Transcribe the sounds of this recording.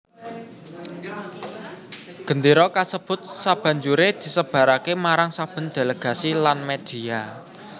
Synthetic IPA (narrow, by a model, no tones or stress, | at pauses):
ɡ̥ə̤nd̪iɾɔkasəb̥ʊ̤t̪̚sab̥a̤ɲd͡ʒuɾed̪̥i̤səb̥a̤ɾakemaɾaŋsab̥ə̤nd̪̥e̤ləɡ̥a̤silanmed̪̥i̤a